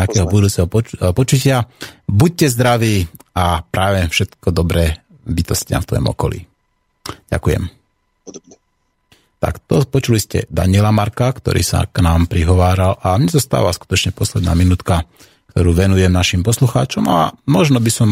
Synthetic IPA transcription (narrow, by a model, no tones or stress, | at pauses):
akɛːɦɔbud̪uːt͡sɛɦɔpɔpɔt͡ʃucɪabuc̚cɛzd̪ɾaʋiːapɾaːʋɛfʃɛt̪kɔd̪ɔbɾɛ | bit̪ɔscɪa̰mft̪ʋɔ̰jɔ̰mɔ̰kɔlḭː | ɟ̥a̰kujɛ̰m | ɛ | t̪a̰kt̪ɔpɔt͡ʃuliscɛ̰d̪a̰ɲɪɛlamaɾkakt̪ɔ̰ɾḭːsa̰knaːmpɾiɦɔʋaːɾalʔamɲɛzast̪a̰ːʋasku̥t̪ɔt͡ʃɲɛpɔslɛd̪na̰ːminuːt̪ka | k̚t̪ɔɾuːʋɛnujɛmnaʃimpɔsluxaːt͡ʃɔma̰mɔʒnɔbisɔm